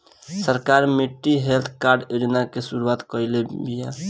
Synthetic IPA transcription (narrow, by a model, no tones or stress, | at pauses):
səɾkaɾmiʈːiɦelt̪ʰkaɾɖed͡ʒnakesuɾuat̪kəjlebija